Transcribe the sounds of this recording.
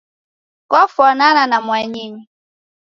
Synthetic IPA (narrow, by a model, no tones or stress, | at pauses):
kɔfɔnananamwaɲiɲi